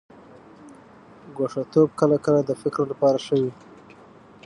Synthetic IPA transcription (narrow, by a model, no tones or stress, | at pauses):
ɡoʂat̪ob̚kəlakəlad̪əfɪkɾolapɑɾaʂəwi